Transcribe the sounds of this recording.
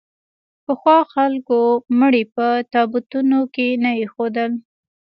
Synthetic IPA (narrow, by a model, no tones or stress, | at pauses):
pəxwɑxalkoməɽipət̪ɑbut̪unokenajexod̪əl